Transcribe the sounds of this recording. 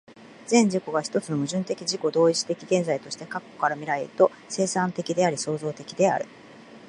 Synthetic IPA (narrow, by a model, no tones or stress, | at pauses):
z̥ẽ̞ɲ̟d͡ʑiko̞ɡaçi̥t̪o̞t͡sɨno̞mɯ̟ʑɨ̃nt̪e̞kʲiʑiko̞d̪o̞ːit͡ɕi̥t̪e̞kʲiɡẽ̞nd͡zait̪o̞ɕi̥t̪ekakːo̞̥kaɾamʲiɾaeɾɯt̪o̞ | se̞ːsãnt̪e̞kʲid̪e̞aɾʲiso̞ːzo̞ːt̪e̞kʲid̪e̞a̰ɾɯ̟